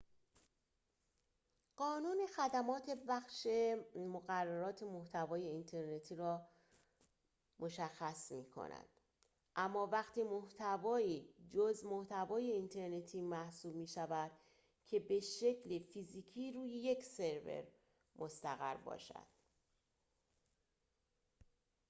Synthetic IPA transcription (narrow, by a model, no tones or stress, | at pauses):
ɢ̥ɒːnuːnexæd̪æmɒːt̪ʰe̞bæxʃe̞moɣærːæɾɒːt̪ʰe̞moht̪ʰævɒːje̞int̪ʰe̞ɾne̞t̪ʰiːɾɒː | mʔo̞ʃæxːæsmiːkʰo̞̰næ̰d̪̥ | ʔæmːɒːvæɣt̪ʰiːmoht̪ʰævɒːiːd͡ʒozmo̞ht̪ʰævɒːje̞int̪ʰe̞ɾne̞t̪ʰiːmæhsuːbmiːʃævæd̪̥ | cʰe̞be̞ʃe̞cʰlefiziːcʰiːɾuːjeje̞cʰse̞ɾve̞̰ɾ | mʔost̪æɣæɾbɒ̰ːʃæ̰d̪̥